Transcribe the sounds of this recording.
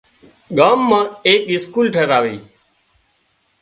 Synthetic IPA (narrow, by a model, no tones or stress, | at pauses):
ɠaːmːãːeːkɪskuːlʈʰeːɾaːʋeː